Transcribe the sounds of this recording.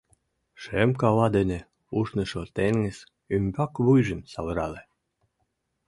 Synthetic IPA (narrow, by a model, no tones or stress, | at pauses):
ʃemkɑlɑd̪enĕ | uʃnɤ̆ʃot̪eŋɡĕs | ymʲbɑkβujʒə̆msɑβɾɑle